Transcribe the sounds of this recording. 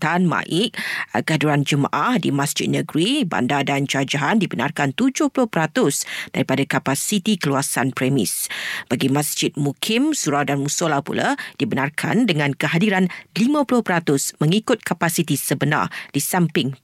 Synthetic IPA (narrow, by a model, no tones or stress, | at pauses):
t̪anmã̰ʔɪʔ̚kəadiɾand͡ʒəmã̰ʔahdimasd͡ʒɪ̰t̪̚nəɡɾiba̰ndadand͡ʒad͡ʒaɦandibəna̰rkant̪ud͡ʒʊhpulʊhpəɾat̪ʊsd̥aɾipadakapasit̪ikəluasanpɾɛmɪ̰sb̥aɡimãsd͡ʒɪt̪̚mukʰɪmsuɾawdanmusolapṵla̰d̥ibənarkʰa̰ndəŋãnkəɦadiɾanlimãpulʊhpəɾat̪ʊsmə̃ŋikʊt̪̚kapasit̪isəbəna̰rdisampɪŋ